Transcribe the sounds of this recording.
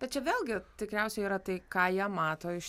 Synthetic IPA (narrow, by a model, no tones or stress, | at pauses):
b̥ʲɛt̪t͡ʃʲɛʋʲeːlˠɡʲɪt̪ʲɪkɾʲɛʊsʲɛɪiːɾɐt̪ɐɪkɑːjiɛmɑːt̪oːɪʃ